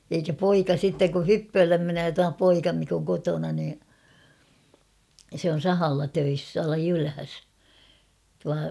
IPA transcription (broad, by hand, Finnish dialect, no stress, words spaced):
eikæ poikɑ sitːeŋ ku hypːøːlːem menøː tuɑ poikɑ mik oŋ kotonɑ niː se on̞ sɑhɑlːɑ tøis tuɑlɑ jylhæs tuɑ